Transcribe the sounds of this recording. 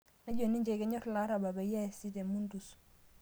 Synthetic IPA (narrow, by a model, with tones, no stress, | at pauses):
na˦d͡ʒo˨ni˦ɲd͡ʒe˨ke˦ɲɔ˦ɾla˦ɾa˨ba˨ba˨ja˦˨si˦te˨mu˦ndu˨s